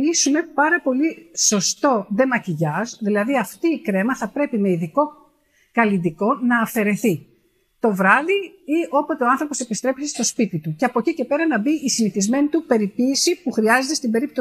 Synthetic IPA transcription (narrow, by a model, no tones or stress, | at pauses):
isume̞pɐɾɐpo̞liso̞st̪o̞ðe̞mɐciʝɐzðilɐðiɐft̪iːkɾe̞mɐθɐpɾe̞pime̞iðiko̞ | kɐlind̪iko̞nɐːfe̞ɾe̞θi | t̪o̞vɾɐðiio̞pot̪e̞oɐnθɾo̞po̞se̞pist̪ɾe̞pisist̪o̞spit̪it̪uceɐpocice̞pe̞ɾɐnɐbiisiniθizme̞nit̪upe̞ɾipiːsipuxɾiɐze̞t̪est̪ibe̞ɾip̚t̪o